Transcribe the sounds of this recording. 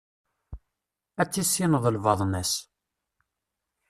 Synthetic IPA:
æt͡sːisːinəðˤəlvɑðˤnæs

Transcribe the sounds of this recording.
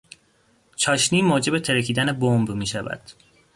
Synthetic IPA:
t͡ʃʰɒːʃniːmoːd͡ʒe̞be̞t̪ʰeɾecʰiːd̪æne̞bombmiːʃævæ̰d̪̥

